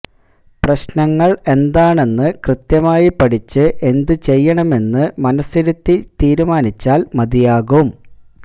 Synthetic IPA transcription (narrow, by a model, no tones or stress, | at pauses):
prɐɕnɐŋːɐɭe̞nd̪aːɳe̞nːɨkrɨt̪jɐmaːjipɐʈit͡ɕːɨʔe̞nd̪ɨt͡ɕe̞jːɐɳɐme̞nːɨmɐnɐsiɾut̪ːit̪iːɾumaːnit͡ɕːaːlmɐd̪ijaːɣɐʋum